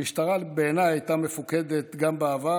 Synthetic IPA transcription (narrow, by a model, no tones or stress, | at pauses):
iʃt̪aʁalbeeːnajajt̪amefuke̞d̪e̞t̪ɡambeava